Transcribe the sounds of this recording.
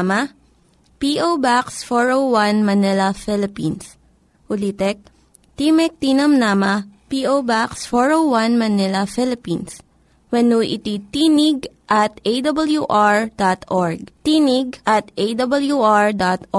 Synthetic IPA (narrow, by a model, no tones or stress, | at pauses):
mɐ | piʔowbaksfɔɹowwanmɐnɛlɐfɛlɪpins | ʔʊlit̪ɛk̚ | t̪imɛk̚t̪inɐmnamɐpiʔowbaksfɔɹowwɐnmɐnɛlɐfɪlɪpins | wɛnuʔɪ̰t̪it̪inɪɡʔɐt̪ejd̪ɐbɐljuʔaɹd̪̥at̪ʔɔɹɡ̚t̪inɪɡ̚ʔɐt̪ʔejd̪ɐbɐljuʔɹd̪at̪